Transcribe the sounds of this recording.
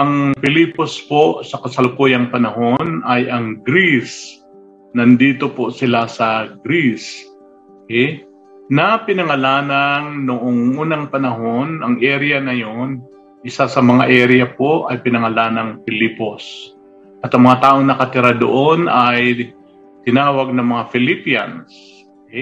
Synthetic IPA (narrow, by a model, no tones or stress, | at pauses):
ʔɐŋfɪlipo̞spo̞ʔsɐkɐsɐlkoːjɐŋpɐnɐɦo̞nɐjʔɐŋɡɾis | nɐnd̪iːt̪o̞po̞sɪlasɐɡɾis | okɛj | nɐpɪnɐŋɐlaːnɐŋnoʔoŋʔuːnɐŋpɐnɐɦo̞nɐŋʔɛɾɛjɐnɐjon | ʔɪsasɐmɐŋaʔɛɾjɐpo̞ʔɐjpɪnɐŋɐlaːnɐŋfɪliːpo̞s | ʔɐt̪ɐŋmɐŋat̪aːʔo̞ŋnɐkɐt̪ɪɾad̪o̰ʔo̞nʔɐj | t̪ɪnaːwɐɡ̚nɐŋmɐŋafɪlipia̰ns | ɛ